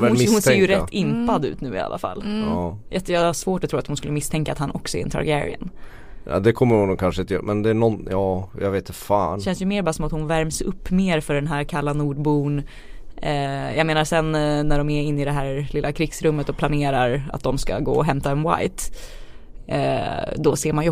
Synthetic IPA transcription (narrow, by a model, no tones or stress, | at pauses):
vɛhʊnseːjəɾɛt̪ːɪnpad̪ʉ̟̰ːt̪nʉ̟ːɪ̰a̰lːʔa̰fa̰lːjat̪jɑːɡaʂvoːʈɔt̪ʰɾuːɾat̪hʊnskɵlːəmɪst̪ʰɛŋkat̪hanʔɔksɔɛ̰ɾɛnt̪ʰa̰ɾɡæɾɪ̰ə̰n | a̰d̪ɛkʰɔmːəɾhʊnːukʰanʂəɪnt̪əjœ̰ːmɛnd̪ɛːnɔnjɑːjɑ̰ɡveːt̪ɪfaːɕɛnsjɵmeːɾbɑːɾasɔmat̪hʊnvæɾmsɵpːmeːɾfœɖɛnɦæːɾkʰalːanuːɖbuːn | jaɡmeːnasɛnːæɖɔmæɪnːɪd̪ɛɦæːɾlɪlːakʰɾɪɡsɾɵmːət̪ɔpʰlaneːɾaɾa̰t̪̚d̪ɔmska̰ɡo̰ːɔɦɛmt̪aɛnwa̰jt̪ | d̪ɔseːɾmanj